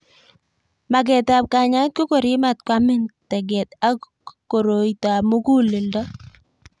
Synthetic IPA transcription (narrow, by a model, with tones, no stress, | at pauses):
ma˨ɡɛ˨ta˨p̚ka˨ɲa˦t̚ko˦ko˨ɾi˦ma˨t̚kwa˦mɪ˦ŋtɛ˨ɡɛ˨ta˦ | ko˨ɾo˨ita˨mo˦ɡu˦lɪ˨ldɔ˦